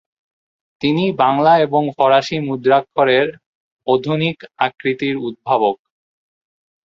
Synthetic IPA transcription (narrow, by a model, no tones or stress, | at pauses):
t̪inibaŋlaeboŋfɔɾaʃimud̪ɾakʰːoɾeɾ | od̪ʱunikakɾit̪iɾud̪̚bʱabok̚